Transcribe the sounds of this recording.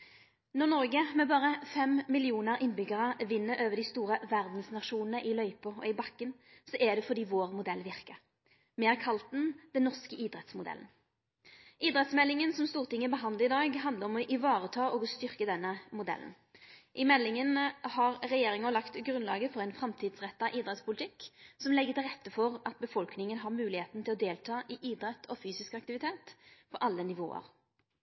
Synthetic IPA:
nɔnɔʁɡəmɛbɑːʁəfɛmmɪlɪuːnəɾɪnbʏɡəʁəʋɪnːəɾøːʋəd̪ɪst̪uːʁəʋæʁd̪n̩snɑʂuːnnəʔɪlœʏpɔɔ̰ɪbɑkːənsɔʔɛd̪ɛfɔd̪iːʋoːʁmʊd̪ɛlːʋɪʁkəʁ | meːʁkʰɑlt̪̚d̪ɛnd̪̥ɛnːɔʁskəiːd̪ɾɛt̪smʊd̪ɛ̰ln | iːd̪ʁɛt̪smɛlːɪŋənsɔmst̪uːʁt̪ʰɪŋːəbəɦɑnd̪ləʁɪd̪ɑːɡɦɑnd̪əʁɔmɔʔɪʋɑːʁət̪ʰɑːʔɔɡɔst̪ʏʁkəd̪ɛnːəmʊd̪ɛ̰ln̩ | ʔɪmɛlːɪŋənhɑʁʁɛjeːɾɪŋəlɑkt̪ɡɾʉnlɑ̰ːɡəfɔʁɛɪnfʁɛmt̪ʰiːd̪sʁɛt̪ːɑʔiːd̪ʁɛt̪spʊlt̪ʰɪkːsɔmlɛɡːət̪ɪlʁɛt̪ːəfɔʁɑt̪̚bəfɔlknɪŋənɦɑʁmʉːlɪheːt̪n̩t̪ʰɪlɔd̪eːlt̪ʰɑːʔɪʔiːd̪ʁɛt̪ːʰɔfyːsɪskɑk̚t̪ɪʋɪt̪ʰeːt̪fɔɾʔɑlːənɪʋo̰ːə̰ɾ

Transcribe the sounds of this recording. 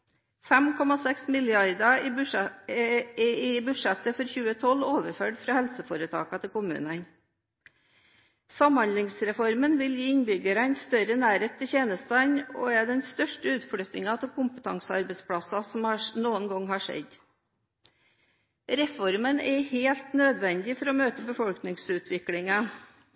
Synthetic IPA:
fæmkʰɔmɑsɛksmɪlɪɑɾd̪ɑɪ | ɪbʉʂɛt̪əfɔɾçʉːət̪ʰɔloːʋəɾføːɖfɾɑːhɛlsəfoːɾət̪ʰɑ̰ːkɑt̪ʰɪlkʊmʉ̰ːnən | sɑmhɑnd̪lɪŋsɾɛfɔɾmənʋɪljiːɪnbʏɡəɾɑnst̪œɾənæːɾeːt̪ʰːɪçeːnəst̪ɑɲo̰ːɛɖɛnst̪œʂʈəʉːt̪fɽyːt̪nɪŋɑt̪ʰɪlkʰʊmpə̥t̪ʰɑ̰ŋsəɑɾbɛɪspʰɽɑsɑsɔmɑnuːənɡɔŋhɑːʂɛ̰d̪ | ɾɛfɔɾmənɛheːlt̪nød̪ʋɛnd̪ɪfɔɾɔmøːt̪əbəfɔlknɪŋsʉːt̪ʰʋɪklɪŋɑ

